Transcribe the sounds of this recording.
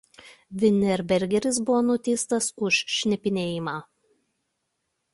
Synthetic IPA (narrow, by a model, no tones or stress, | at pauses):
ʋʲɪnʲɛɾʲbʲɛɾʲɡʲɛɾʲɪs̬bʊʋoːnʊt̪ʲɛːst̪ɐsʊʃːʲnʲɛpʲɪnʲeːjɪmɑː